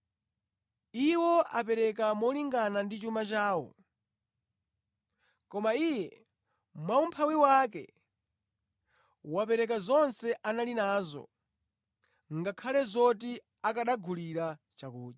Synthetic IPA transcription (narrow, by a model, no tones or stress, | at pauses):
iwɔʔapɛɾɛk̬amɔliŋɡanandit͡ʃumat͡ʃaːwɔ̰ | kɔmaijɛ | mwaumpʰawiwak̬ɛ̰ | wapɛɾɛkazɔnsɛʔanalinaːzɔ̰ | ŋɡakʰalɛzɔti | akaɗaɡʱuliɾa | t͡ʃakuːʄa